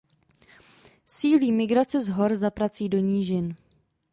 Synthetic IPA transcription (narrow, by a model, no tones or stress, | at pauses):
siːliːmɪɡɾat͡sɛzɦo̞ɾzapɾat͡siːdo̞ɲiːʒɪn